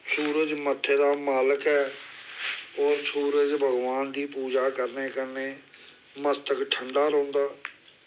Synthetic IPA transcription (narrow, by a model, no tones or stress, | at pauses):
suːɾəd͡ʒmət̪ʰːeːd̪aːmaːləkɦɛː | ɔːɾsuːɾəd͡ʒbʱəɡʋaːnd̪iːpuːd͡ʒaːkəɾneːkəɾneː | məst̪əkʈʰəɳɖaːɾõːnd̪aː